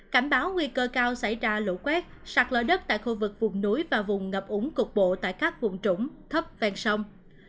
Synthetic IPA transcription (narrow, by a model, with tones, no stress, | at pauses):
ka˧˩nɓaː˨˦wŋwi˧kəː˧kaː˧wsa˧˩jzaː˧lo̰˧˥kwɛ˦˥t̚sa˨˩k̚lə̰ː˧˩ɗə˦˥t̚t̪a̰ː˧˨jxu˧vɨ˨˩k̚vʊ˨˩ŋ͡mnu˨˦jvaː˨˩vʊ˨˩ŋ͡mŋə˨˩p̚ʔʊ˨˦ŋ͡mkʊ˨˩k͡p̚ɓo̰˧˨t̪a̰ː˧˨jkaː˦˥k̚vʊ˨˩ŋ͡mt͡ɕʊ˧˩ŋ͡mt̪ʰə˦˥p̚vɛ˧nsə˧wŋ͡m